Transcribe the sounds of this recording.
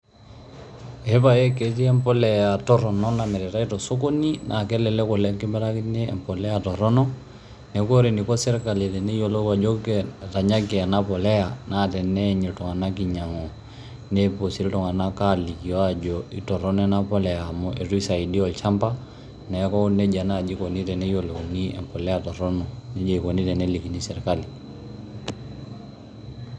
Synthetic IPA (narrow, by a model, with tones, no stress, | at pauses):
ɛ˦pa˨jɛ˦ke˨ti˦ɛ˦mpɔ˦lɛ˨ja˨tɔ˦ɾɔ˨nɔ˦na˨mɛ˨ɾɛ˨ta˦i˦tɔ˨so˦ko˦ni˦nʔa˨kɛ˦lɛ˨lɛ˦kɔ˨lɛ˦ŋki˦mbɛ˦ɾa˦ki˦nɛ˦ɛ̰˨mpɔ˨lɛ˦a˨tɔ˨ɾɔ˦nɔ˦ | nɛ˨ko˦ɾe˨ni˨kɔ˦sɛ˦ɾka˨lɛ˨tɛ˨nɛ˦jo˨lo˦a˨d͡ʒɔ˦kɛta˨ɲa˦kɛ˨a˨na˦pɔ˨lɛ˦ja˨na˦tɛ˨nɛɲɛ˨tɔ˨ŋa˨na˦ki˨ɲa˨ŋɔ˨ | nɛ˦po˨si˨ɾtɔ˨ŋa˨na˦ka˦li˨ki˨jɔ˦a˦d͡ʒɔ˨i˨tɔ˨ɾɔ˦n˦ɛ˦na˦pɔ˦lɛ˨a˨mɔ˦ʔe˨tu˦i˦sa˨i˨di˦ɔ˨lt͡ʃa˦mpa˦ | nɛ˨kɔ˦nɛ˦d͡ʒa˨na˦˨d͡ʒi˦kɔ˨ni˦tɛ˨nɛ˦jo˨lo˨ŋi˦ɛ̰˨mpɔ˨lɛ˦ja˨tɔ˨ɾɔ˦nɔ˨nɛ˦d͡ʒɛ˦i˨kɔ˨ni˦tɛ˨nɛ˦li˨ki˨ni˦sɛ˨ɾka˦li˨